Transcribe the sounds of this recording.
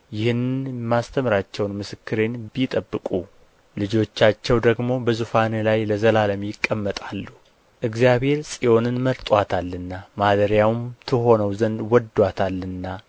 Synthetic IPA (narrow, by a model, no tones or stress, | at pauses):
jɪhɨnmast̪ʰəmɾat͡ʃːɛwnmɨsɨkʰːɨɾe̞nbit̪ʼəbːɨkʼu | lɨd͡ʒo̞t͡ʃːat͡ʃːɛwd̪əɡmo̞bəzufanlajləzəlaləmjɪkʼːəmːət̪ʼalːu | ʔɨɡzjaβhe̞ɾsʼijo̞nɨnməɾt̪ʼwat̪ʰalːɨnːamad̪əɾjawmt̪ʰɨɦo̞nəwzənd̪wɔd̪wat̪ʰalːɨnːa